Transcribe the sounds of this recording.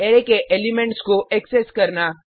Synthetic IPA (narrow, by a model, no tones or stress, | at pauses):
eɾekeʔeːlimẽɳʈskoʔɛkseskɐɾna